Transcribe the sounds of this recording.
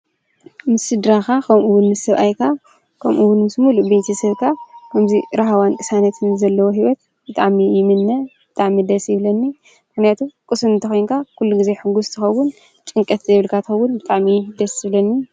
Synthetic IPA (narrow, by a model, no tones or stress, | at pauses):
mɨsɨd̪ɾakakʰɐmʔuwʊnmɨsɐβʔajkʰa | kʰɐmʔuwʊnmɨsmulubejt̪ʰɐsɐβkʰakʰɐmziɾaɦawankʼɨsanɐt̪ʰɨnzɐlːɐwoɦiwɔt̪̚ | bɨt̪ʼaʕmijɪmɨnːɐb̥ɨt̪ʼaʕmid̪ɐsjɪβlɐnːi | mɨxnijat̪ʰukʼɨsumnt̪ʰɐxojnkʰakʰulːuɡize̞ħɨɡust̪ʰɨxɐwːʊn | t͡ʃʼɨŋkʼɐt̪zɐβɨlkʰat̪ɨxɐwːʊnbɨt̪ʼaʕmid̪ɐsɨβlɐnːi